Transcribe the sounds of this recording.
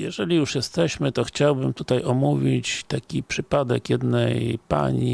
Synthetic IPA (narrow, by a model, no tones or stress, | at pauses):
jɛʐɛlʲijuʂjɛst̪ɛɕmɘt̪ɔxt͡ɕawbɘmt̪ut̪ajʔɔmuvʲit͡ɕt̪akʲipʂɘpad̪ɛ̰kjɛd̪nɛjpa̰ɲi